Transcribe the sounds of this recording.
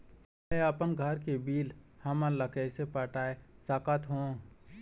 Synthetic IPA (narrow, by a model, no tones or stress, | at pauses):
eəpənɡʱəɾkebiːlhɐmələkəːsepaːʈaːesaːkat̪ɦõ